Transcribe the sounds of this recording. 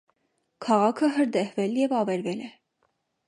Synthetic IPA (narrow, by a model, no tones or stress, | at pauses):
kʰɑʁɑkʰəɦəɾd̪ɛhvɛljɛvɑvɛɾvɛlɛ